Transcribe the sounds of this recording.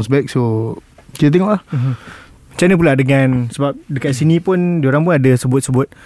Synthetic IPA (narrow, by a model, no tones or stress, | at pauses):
ŋsbɛk̚so | kit̪ət̪ɛŋɔʔlah̩ɦ̩ | t͡ʃanəpuladəŋãnsəbap̚dəkat̪̚sinĩpʊndioɾaŋpʊnadəsəbʊt̪̚səbʊt̪̚